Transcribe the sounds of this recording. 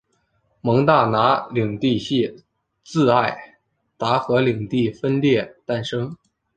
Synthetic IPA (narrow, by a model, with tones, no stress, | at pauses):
mɤ˧˥ŋt̪a˥˩na˧˥li˨˩ŋt̪i˥˧ɕi˥˧˩ | t͡sɹ̩˥˧a˥˩ɪ | t̪a˧˥xɤ˧˥li˨˩ŋt̪i˥˩fə˥nljɛ˥˩t̪a˥˩nʂɤ˥ŋ